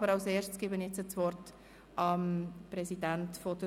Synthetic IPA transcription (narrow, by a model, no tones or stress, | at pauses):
bəɾɑlseːɾʃtt͡sɡ̥ɪbənjɛt͡sət͡sʋɔrt | ʔɑmpɾɛsidæntfɔd̥ə